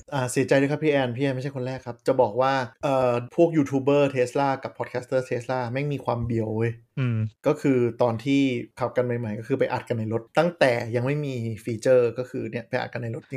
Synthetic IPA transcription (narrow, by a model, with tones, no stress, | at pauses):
ʔaː˧˩si˨˩˦t͡ɕa˧jdu˥˩kʰa˦˥pʰiː˥˩ʔɛː˧npʰiː˥˩ɛː˧nma˥˩t͡ɕʰa˥˩kʰo˧nɾɛː˥˩kʰːa˦˥p̚t͡ɕa˨˩bɔː˨˩k̚waː˥˩ʔɤː˨˩pʰu˥˩ək̚juː˧t̪ʰuː˧bɤː˥˩t̪ʰeː˦˥slaː˥˩ka˨˩pʰɔː˨˩t̪̚kʰɛː˦˥st̪ɤː˥˩t̪ʰeː˦˥slaː˥˩ma˥˩jmiː˧kʰwaː˧mbi˨˩əwɤː˧jɯː˧˩kɔː˥˩kʰɯː˧t̪ɔː˧nt̪ʰiː˥˩kʰa˨˩p̚ka˧nma˨˩jma˨˩jkɔː˥˩ɯː˧pa˧jʔa̰˨˩t̪̚ka˧nːa˧jɾo˦˥t̪̚ːa˥˩ŋt̪ɛː˨˩ja˧ŋma˥˩jmiː˧fiː˧t͡ɕɤː˥˩kɔː˥˩kʰɯː˧ni˥˩ɐpa˧jʔa̰˨˩t̪̚ka˧nːa˧jlɾo˦˥t̪̚